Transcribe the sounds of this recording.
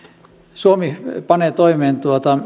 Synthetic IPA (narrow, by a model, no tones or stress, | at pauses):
suomipɑneːt̪oimeːnt̪uot̪ɑ